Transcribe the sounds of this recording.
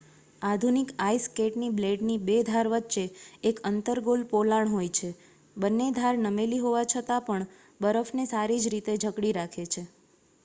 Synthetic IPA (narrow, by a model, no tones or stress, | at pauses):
ad̪ʱunikaiskeʈnibleɖnibed̪ʱaɾʋət̪ːʃeːkənt̪əɾɡolpolaɳɦojt͡ʃʰe | bənːed̪ʱaɾnəmeliɦoʋat͡ʃʰət̪apəɳ | bəɾəfʰnesaɾid͡ʒɾit̪ed͡ʒʱəkɽiɾakʰet͡ʃʰe